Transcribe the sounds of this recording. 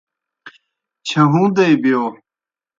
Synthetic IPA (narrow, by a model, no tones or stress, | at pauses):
t͡ɕʰɐɦũːd̪ejbijoː